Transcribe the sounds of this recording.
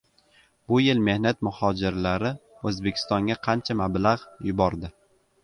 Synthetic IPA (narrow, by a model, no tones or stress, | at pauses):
bʊjɪlme̞hnat̪mʊhɒd͡ʒɪɾlaɾɪɵzbe̞kʲʰɪ̥st̪ɒŋɡʲaqʰɑnt͡ʃʰamablaʁjʊbɒɾd̪ɪ